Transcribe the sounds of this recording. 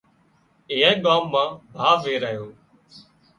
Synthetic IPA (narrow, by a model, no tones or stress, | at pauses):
ɪ̃ːẽːɠaːmːãːbʱaːʋeːɾəɦjoː